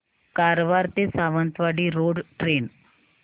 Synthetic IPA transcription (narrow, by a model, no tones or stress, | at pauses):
kaɾʋaɾt̪esaʋənt̪ʋaɽiɾoːɖʈɾeːn